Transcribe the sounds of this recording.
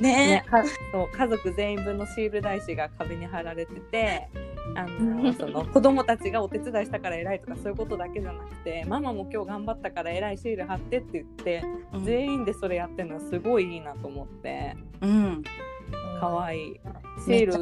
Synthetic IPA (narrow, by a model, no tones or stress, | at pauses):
nenekaso̞ːkazo̞kɯ̟zẽ̞ĩmbɯ̟nːo̞ɕiːɾɯ̟d̪aiɕiɡakʰabeɲ̟iɦaɾaɾe̞t̪e̞t̪e̞anoso̞no̞ko̞d̪o̞mo̞t̪at͡ɕiɡao̞t̪e̞t͡sɨd̪aiɕi̥t̪akaɾae̞ɾait̪o̞kasoːjɯ̟ko̞t̪o̞d̪ake̞d͡ʑanakɯ̟̥t̪e̞mamamo̞kʲo̞ːɡãmbat̪ːakaɾae̞ɾaiɕiːɾɯ̟ɦat̪ːe̞t̪ːe̞jɯ̟t̪ːe̞ze̞ĩnd̪e̞so̞ɾe̞jat̪ːe̞no̞asɨɡo̞iiːnat̪o̞ːmo̞t̪ːe̞̰ | ɯ̃ | kʰaβ̞aiː | ɕiːɾɯ̟